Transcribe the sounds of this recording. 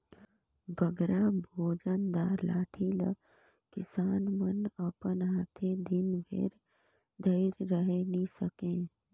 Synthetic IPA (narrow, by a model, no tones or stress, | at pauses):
bəɡɾabʱoːd͡ʒənd̪aːɾlaːʈʰilə̰ɡ | kɪsaːnmənəpənɦaːt̪ʰed̪ɪnbʱḛːɾ | d̪ʱəɪɾːəɦenisəkẽː